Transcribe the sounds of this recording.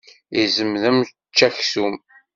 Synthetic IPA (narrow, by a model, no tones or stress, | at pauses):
izəmðəm | t͡ʃːæçsum